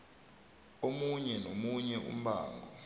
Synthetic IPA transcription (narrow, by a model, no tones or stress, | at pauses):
omuɲɛnomuɲɛʔṵm̩ɓa̰ːŋɡʱɔ